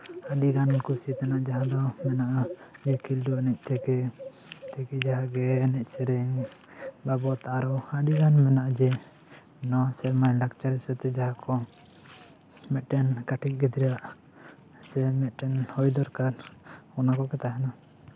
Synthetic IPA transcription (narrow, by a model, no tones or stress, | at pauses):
aɖiɡankusit̪anaʔd͡ʒaɦãd̪ɔmɛnaʔad͡ʒɛkʰilɖuanɛc̚ˀt̪ʰɛkɛ | t̪ʰɛkɛd͡ʒaɦaɡɛnɛc̚ˀsɛɾɛŋ | babɔt̪aʔaɾɔaɖiɡanmɛnaʔad͡ʒɛ | nɔsɛɾmajɖakt͡ʃaɾɛsɛt̪ɛd͡ʒaɦãkʰɔ | mɛʈɛnkaʈʰic̚ˀɡɛd̪iɾaʔ | sɛmɛʈɛnhɔjd̪ɔɾkaɾɔnakɔkɛt̪aɦɛna